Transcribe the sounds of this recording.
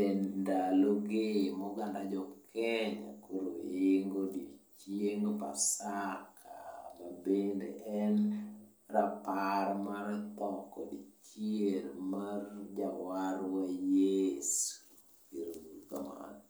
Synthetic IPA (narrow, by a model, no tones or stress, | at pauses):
endaloɡemɔɡandad͡ʒɔkʰɛɲa̰koɾo̰ɪŋɡodit͡ʃjeŋɡpasakʰamabendḛʔɛn | rapaɾmaɾt̪ɔkɔ̰dit͡ʃieɾmard͡ʒawaɾwajes | kiɾouka̰ma̰n